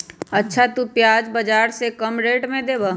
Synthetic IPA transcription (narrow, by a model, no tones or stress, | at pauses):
ɐtːʃʰat̪upjaːd͡ʒbɐd͡ʒaːɾsekɐmɾeːʈmẽd̪eːbaː